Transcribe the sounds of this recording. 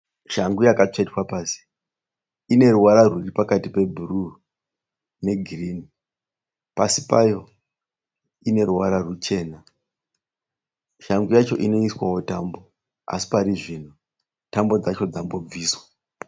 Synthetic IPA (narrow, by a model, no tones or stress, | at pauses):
ʃaŋɡujakat͡ʂetwapaːsi̥ | ine̞ruwaɾarwuripakatipe̞bʱuru | ne̞ɡʱiriːni | pasipajo̞ | ine̞ruwaɾarut͡ʃe̞ːna | ʃaŋɡujat͡ʃo̞̰ʔino̞iswawotambo̞ | a̰si̥paɾiʐino | tambo̞d͡zat͡ʃo̞d͡zambo̞b͡viːswḁ